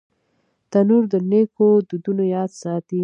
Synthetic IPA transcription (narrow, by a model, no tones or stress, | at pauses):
t̪anuɾd̪ənekod̪ud̪unojɑd̪sɑt̪i